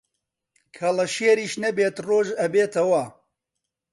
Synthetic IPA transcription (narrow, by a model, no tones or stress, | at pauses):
kʰɐlɐʃeːɾiːʃnɐbeːt̪roːʒɐbeːt̪ɐwɐ